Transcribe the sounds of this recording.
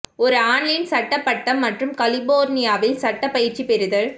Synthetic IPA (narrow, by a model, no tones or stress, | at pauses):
ɔɾɯaːɳlɪnsɐʈːɐpːɐʈːɐmːɐʈrɯmkɐlɪboːɾnɪjaːʋɪlsɐʈːɐpːɐjɪɾt͡ʃipɛɾɯðɐɭ